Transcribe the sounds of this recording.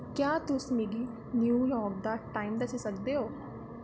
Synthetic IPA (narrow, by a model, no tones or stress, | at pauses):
kjaːt̪ʊsmeːɡiː | njuːjɔːɾk̚d̪aːʈaːiːmd̪əsisəkd̪eːɦoː